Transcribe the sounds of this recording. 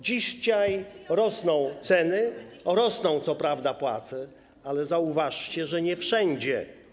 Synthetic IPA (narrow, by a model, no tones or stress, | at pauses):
d͡ʑiɕɕajɾɔsnɔ̃w̃t̪sɛnɘɾɔsnɔ̃w̃t̪sɔpɾavd̪apwa̰t̪sɛ | alɛzauvaʂt͡ɕɛʐɛɲɛfʂɛɲd͡ʑɛ